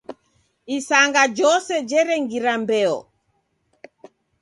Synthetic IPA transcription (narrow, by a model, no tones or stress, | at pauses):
isaŋɡad͡ʒɔsɛd͡ʒɛɾɛŋɡiɾambɛɔ̰